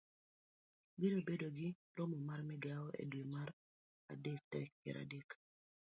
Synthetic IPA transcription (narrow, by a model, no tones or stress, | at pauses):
biɾobedoɡɪ | ɾɔmɔmarmɛɡaɔʔḛdwemaɾ | a̰dek̚tɛk̚pɛ̰ɾʔa̰dek